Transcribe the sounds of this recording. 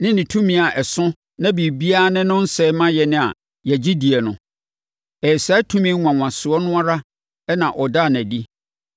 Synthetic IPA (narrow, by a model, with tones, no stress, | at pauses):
nɪ̃˦nɪ̃˨tʰũ˦mĩ˨a˨ʔɛ˨sʊ̃˦ | nã˦bi˨bi˦a˦nɪ̃˦nʊ̃˦n̩˦sɛ˦mã˦jɛ˨nɪ̃˦a̰˨ | jɛ˨d͡ʑi˦di˨ɛ˨nʊ̰̃˨ | ɛ˨sa˨˦tʰũ˦mĩ˦ã˨ŋʷã˨sʊ˨ɔ˦nʊ̃˦a˦ɾa˦ | ɛ˦nã˨ʔɔ˨da˦˨n˨æ˨di˦